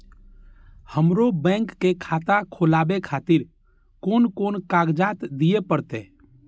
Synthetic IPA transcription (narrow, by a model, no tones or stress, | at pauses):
həmɾobɛ̃ŋkːekʰaːt̪akʰolaːbekʰaːt̪ɪɾ | koːnkoːnkaːɡd͡ʒaːt̪d̪iepəɾt̪eː